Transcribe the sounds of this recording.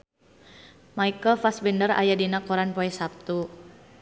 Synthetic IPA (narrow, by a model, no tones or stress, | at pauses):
maikəlfasbɛndəra̰jadinakɔɾanpɔɛsap̚t̪u